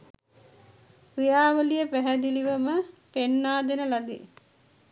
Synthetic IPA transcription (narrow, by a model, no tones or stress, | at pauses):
kɾijaːʋəlijəpæɦæd̪iliʋəməpenːaːd̪enəlad̪ḛ